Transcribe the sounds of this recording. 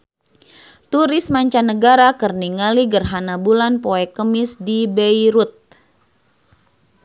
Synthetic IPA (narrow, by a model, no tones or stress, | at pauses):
t̪uɾɪsmaɲt͡ʃanəɡaɾakərniŋaliɡərɦanabulanpoɛkəmɪsdibəiɾut̪̚